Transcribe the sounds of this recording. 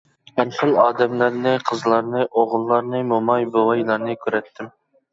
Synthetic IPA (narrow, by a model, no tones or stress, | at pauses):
ɛnχəlˠɑːd̪ɛmlæɾnɨqʰəzlˠɑɾnɨʔoʁlˠːɑɾnɨmomɑjbowɑjlˠɑɾnɨkʲʰyɾɛt̪ʰːɪm